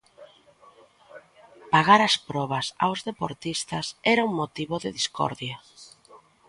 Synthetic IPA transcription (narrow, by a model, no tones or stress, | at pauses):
paɣaɾɐspɾɔβ̞ɐsa̰wzðepoɾt̪ist̪ɐsɛɾɐuŋmot̪iβoðɪðiskɔ̰ɾðjɐ